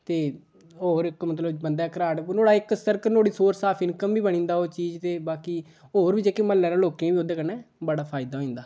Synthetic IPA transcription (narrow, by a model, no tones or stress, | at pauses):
t̪eː | oːɾɪkmət̪ləbbənd̪aːkɾaːʈnoːɽaːɪksəɾkənoːɽiːsoːɾsaːpʰɪnkəmbiːbənĩːnd̪aːoːt͡ʃiːd͡ʒt̪eːbaːkiː | oːɾbiːd͡ʒeːkeməlːɛːɾãːloːkẽːbiːoːd̪eːkəɾnɛːbəɽaːpʰaːɪd̪aːɦoːĩːnd̪aː